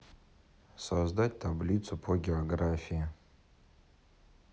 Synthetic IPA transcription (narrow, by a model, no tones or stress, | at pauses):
sozd̪at̚ʲtʰablʲit̪supʰoɡʲeoɡrafʲijɪ